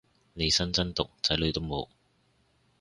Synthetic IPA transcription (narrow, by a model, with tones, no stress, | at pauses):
ne˨˧jsɐ˥nt͡sɐ˥nt̪ʊ˨k̚t͡sɐ˨˥jlɵ˨˧ɥt̪o˥wmo̰˨˧w